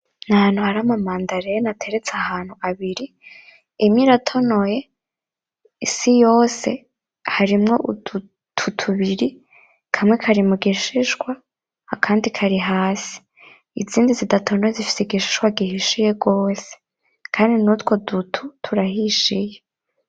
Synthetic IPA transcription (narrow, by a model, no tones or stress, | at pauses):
nahaːnhuhaɾamamaːndaɾejenatʰe̞ɾet͡seahaːn̥huaβiɾiː | miɾatʰo̞no̞je̞ | isijo̞ːse̞ | haɾimŋo̞ʔu̥u | tʰutʰuβiɾi | kʰamŋe̞kʰaɾimuɡiʃiʒɡwa | akʰaːndikʰaɾiɦaːsi̥ | iziːndizidatʰonojezifi̥seɡiʃi̥ʃɡwaɡihiʃije̞ɡo̞ːse̥ | kʰaːndinutwo̞dutʰutʰuɾahiʃije